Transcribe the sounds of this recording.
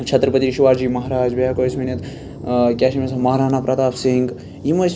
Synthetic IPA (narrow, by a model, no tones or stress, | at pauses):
t͡ʃʰɐt̪ɾəpɐt̪iiʃuʋaːɾd͡ʒiːmɐɦɾaːd͡ʒbɐjaːkoːsmɐnʲɐt̪ | kʲaːʃimesɐmɐɦɾaːnaːpɾaːt̪aːpsiŋɡ | jimɐs